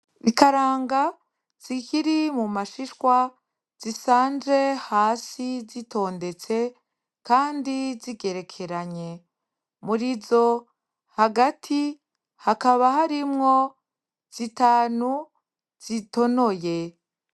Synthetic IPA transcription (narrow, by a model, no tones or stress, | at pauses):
βikaɾaːŋɡa | z̥ikiɾimumaʃiʃwa | z̥isaːnd͡ʒe̞haːsizito̞ːnde̞t͡se̞ | kaːndiziɡe̞ɾe̞kʰe̞ɾaɲe̞ | muɾizo̞ | haɡatʰi | hakaβahaɾimŋo̞ | z̥itaːnu | z̥ito̞no̞je̞